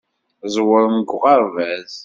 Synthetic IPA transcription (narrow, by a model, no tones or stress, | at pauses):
zˤwəɾmɡʷʁɑɾvæz